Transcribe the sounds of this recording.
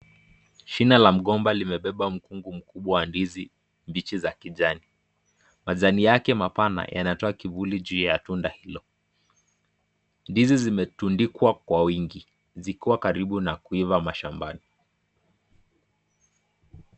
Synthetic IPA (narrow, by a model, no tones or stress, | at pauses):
ʃinalam̩ɠɔmbalimɛɓɛɓam̩kuŋɡum̩kuɓwawandizi | mbit͡ʃizakiʄani | maʄanijakɛmapana̰jʔa̰natɔakivuliʄijatundahilɔ | ndizizimɛtundikwakwawiŋɡi | zikiwakaɾiɓunakuivamaʃambani